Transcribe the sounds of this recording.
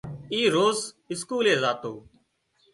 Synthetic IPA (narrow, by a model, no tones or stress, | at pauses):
iːɾoːz | ɪskuːleːzaːt̪oː